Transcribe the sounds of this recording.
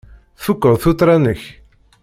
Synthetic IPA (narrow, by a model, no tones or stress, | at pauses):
θukːəðˤθut̪ːɾˤanəç